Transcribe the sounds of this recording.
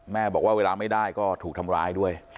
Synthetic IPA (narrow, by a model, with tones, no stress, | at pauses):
mɛː˥˩bɔː˨˩kwaː˥˩weː˧laː˧ma˥˩jdaː˥˩jkɔː˥˩t̪ʰuː˨˩kt̪ʰa˧mɾaː˧jdu˥˩əj